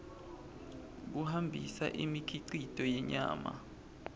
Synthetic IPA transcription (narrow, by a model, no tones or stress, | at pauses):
k̬uhambʱisa̰ʔimikʰiǀitʼɔjɛɲa̰ːma̰